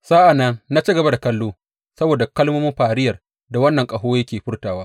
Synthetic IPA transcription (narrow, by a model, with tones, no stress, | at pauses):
saː˦ʔa˨nːɐ˦nna˦t͡ʃi˦ɡɐ˨ba˦da˨kɐ˦lːoː˦ | sɐ˦boː˨da˨kɐ˦lmoː˦mɪ˦mɸaː˨ɾɪ˦jɐ˨r | da˨wɐ˦nːɐ˨ŋkʼɐ˨ɦoː˦jɐ˦kʲeː˨ɸɪ˦rtaː˨waː˦